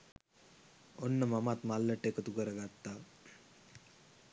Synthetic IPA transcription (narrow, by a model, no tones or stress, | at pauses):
onːəmɐmat̪malːəʈekət̪ukəɾəɡat̪ːa